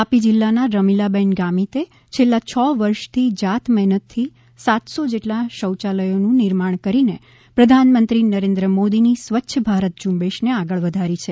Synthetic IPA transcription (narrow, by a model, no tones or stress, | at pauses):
apid͡ʒilːanaɾəmilabɛnɡamit̪e | t͡ʃʰelːat͡ʃʰɔʋəɾʃt̪ʰid͡ʒat̪mɛɦnət̪ʰːi | sat̪sod͡ʒeʈlaʃəwt͡ʃaləjonũnɪɾmaɳ̃kəɾine | pɾəd̪ʱanmənt̪ɾinəɾẽnd̪ɾəmod̪inisʋətːʃʰəbʱaɾət̪̚d͡ʒumbeʃneaɡəɭʋəd̪ʱaɾit͡ʃʰe